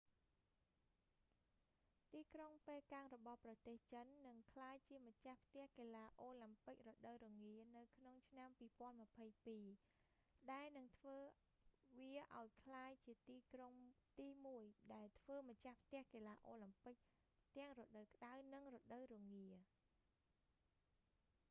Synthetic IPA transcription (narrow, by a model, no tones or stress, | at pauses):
t̪iːkroŋpeːlkaŋrɔɓɑhprɑt̪eːht͡ɕənːɨŋkʰlaːjt͡ɕiəmət͡ɕahpʰt̪ɛ̆əhkeːlaːʔoːlampɨk̚rɔɗəwɾɔŋiənɨwkʰnoŋt͡ɕʰnampiːpŏənmə̆əpʰəjpiː | ɗaɛlnɨŋt̪ʰʋəː | ʋiəʔaɔjkʰlaːjt͡ɕiət̪iːkroŋt̪iːmuəjɗaɛlt̪ʰʋəːmət͡ɕahpʰt̪ɛ̆əhkeːlaːʔoːlɨmpɨk̚ | t̪ɛ̆əŋrɔɗəwkə̆ɗawnɨŋrɔɗəwɾɔəŋiə